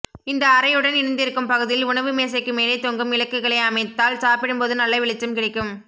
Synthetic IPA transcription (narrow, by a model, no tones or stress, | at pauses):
ɪnd̪ɐːɾɐjɯɽɐnɪɽɯnd̪ɪɾɯkːɯmpɐɣɯðɪlʊɳɐʋɯmeːs̬ɐɪkːɯmeːlɐɪt̪oːŋɡɯmɪlɐkːɯɣɐɭɐɪɐmɐɪt̪ːaːlsaːpɪɽɯmpoːðɯnɐlːɐɪʋɪɭɪt͡ʃːɯmkɪɽɐkːɯm